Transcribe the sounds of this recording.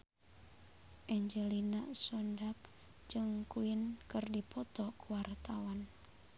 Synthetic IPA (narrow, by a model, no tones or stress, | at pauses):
ʔɛɲd͡ʒɛlina̰sɔndak̚ | d͡ʒɨŋkuɪnkɨrdipɔt̪ɔkuwart̪awan